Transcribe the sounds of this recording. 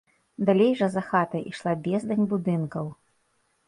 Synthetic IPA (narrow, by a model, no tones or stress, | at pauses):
d̪alʲejʐɐzɐxat̪ɐʔiʂlˠabʲɛzd̪ɐnʲbud̪ɨnkɐw